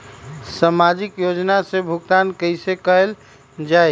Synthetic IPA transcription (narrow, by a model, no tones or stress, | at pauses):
samad͡ʒikjod͡ʒnasẽbʱuɡt̪ankəɪsekəɦel | d͡ʒaj